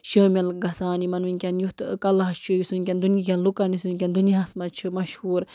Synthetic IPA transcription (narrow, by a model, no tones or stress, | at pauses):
ʃəːmʲɐlɡɐsaːnimɐnʋinkʲɐnjut̪kɐlaɦɐst͡ʃʰujisunkʲɐnd̪unik̬ʲɐnlukanisunkʲand̪unijaːsmɐt͡ʃʰɨmɐʃhuːɾ